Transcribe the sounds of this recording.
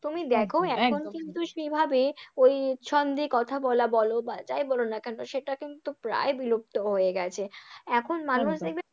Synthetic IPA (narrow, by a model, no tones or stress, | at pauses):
t̪umid̪ekʰoɛkʰonkint̪uʃebʱabeojʃʰɔnd̪ikɔt̪ʰabɔlabɔlobad͡ʑajbɔlonakɛnoʃeʈakint̪upɾa̰ebilop̚t̪oɦojeɡɛt͡ɕʰeɛkʰonmanuʃd̪ek̚be